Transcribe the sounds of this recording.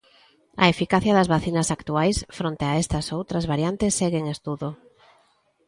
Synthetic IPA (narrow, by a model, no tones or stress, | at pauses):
ɐ̰efikaθjɐðɐzβaθinɐsakt̪uajsfɾont̪eaest̪ɐsowt̪ɾɐzβaɾjant̪esːeɣeŋest̪uðo